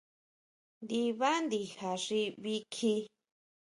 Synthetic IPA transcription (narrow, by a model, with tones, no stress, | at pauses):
nd̪i˧βa˦nd̪i˧ha˨ʐi˧βi˧kʰi˧